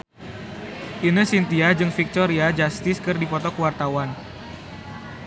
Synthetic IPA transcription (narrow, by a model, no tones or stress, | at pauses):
ʔinəsint̪iad͡ʒɨŋfik̚t̪ɔɾiad͡ʒast̪ɪskɨrdipɔt̪ɔkəwart̪awan